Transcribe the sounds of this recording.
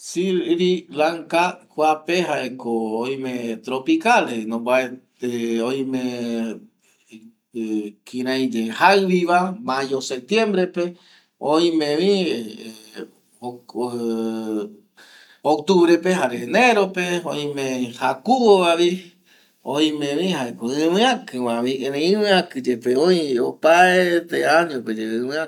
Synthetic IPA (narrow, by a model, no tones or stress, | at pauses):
siɾɾilaŋkakʷapeɦaekooĩmẽt̪ɾopikalenõmbae | eoĩmẽ | kʰĩɾãjd͡ʒehaɨβiβamajosep̚t̪jẽmbɾepe | õĩmẽʋĩ | o | ok̚t̪uβɾepeɦaɾenẽɾopeoĩmẽhakuβoβaβi | õĩmẽʋĩɦaekoɨ̃mɨ̃ãkɨmãβiẽnẽɨ̃mɨ̃ãkɨd͡ʒepeõĩopaet̪eaɲõped͡ʒeɨ̃mɨ̃ã